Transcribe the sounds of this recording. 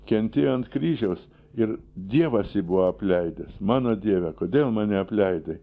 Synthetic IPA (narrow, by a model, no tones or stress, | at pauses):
kʲɛnʲt̪ʲeːjoɐnt̪kɾʲiːʒʲɛʊs | ɪɾd̪ʲiɛʋɐsjɪbuʋoɐpʲlʲɛɪd̪ʲɛsmɑːnoːd̪ʲiɛʋʲɛkoːd̪ʲeːlˠmɑːnʲɛɐpʲlʲɛɪd̪ʲɐ